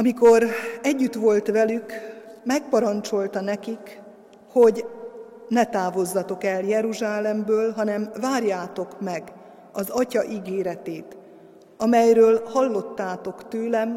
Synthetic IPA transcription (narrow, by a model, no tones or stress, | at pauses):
ɒmiko̞ɾɛɟːyt̪ʋo̞lt̪ʋɛlykmɛk̚pɒɾɒnt͡ʃo̞lt̪ɒnɛkik | ho̞ɟ | nɛt̪aːvo̞zːɒt̪o̞kɛljɛɾuʒaːlɛmbøːlɦɒnɛmvaːrjaːt̪o̞kmɛɡ | ɒzɒcɒʔiɡeːɾɛt̪eːt̪ | ɒmɛjrøːlhɒlːo̞t̪ːaːt̪o̞kt̪øːlɛm